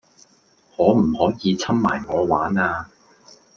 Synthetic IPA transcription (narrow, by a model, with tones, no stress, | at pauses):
ŋɔː˨˧m̩˨˩hɔː˨˥jiː˨˧t͡sʰɐ˥mma̰ː˨˩jŋɔː˨˧waː˨˥naː˧